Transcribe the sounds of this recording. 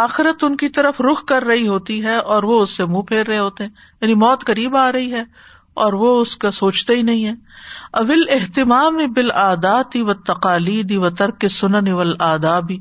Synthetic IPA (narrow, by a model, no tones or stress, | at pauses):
aːxɪɾət̪ʊnkit̪ɐɾəfɾʊxkɐɾːɐɦiɦoːt̪iɦɛʔɔːɾʋoʊsːemũːpʰeːɾːɐɦeɦoːt̪eɦɛ̃ː | jaːnimɔːt̪kɐɾiːbaːɾɐɦiɦɛː | ɔːɾʋoʊskasoːt͡ʃt̪aɦinɐɦĩɦɛːɐʋɪlɪɦt̪ɪmaːmibɪlaːd̪aːt̪iʋɐt̪ːɐqaːliːd̪iʋɐt̪ɐɾkesʊnəniʋɐlaːd̪aːbʱiː